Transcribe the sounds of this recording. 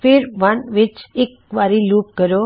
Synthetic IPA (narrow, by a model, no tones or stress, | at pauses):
fɪɾʋənʋɪt͡ʃek | ʋaːɾiluːp̚ɡəɾjo